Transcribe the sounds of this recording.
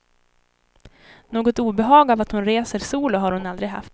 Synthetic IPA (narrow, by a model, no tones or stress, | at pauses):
noːɡɔt̪uːbɛɦɑːɡavat̪hʊnɾeːsəɾsuːlʊɦaɾhʊnald̪ɾɪɡɦa̰f